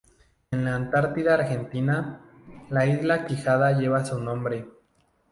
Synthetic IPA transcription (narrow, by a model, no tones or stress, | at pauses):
enlaːnt̪aɾt̪iðaːɾxe̞nt̪ina | laizlakixaðaʝe̞βasunõ̞mbɾe̞